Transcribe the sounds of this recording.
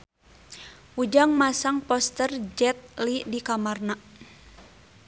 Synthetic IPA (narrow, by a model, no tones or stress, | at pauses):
ud͡ʒaŋmasaŋpɔst̪ərd͡ʒɛt̪̚lidikamarna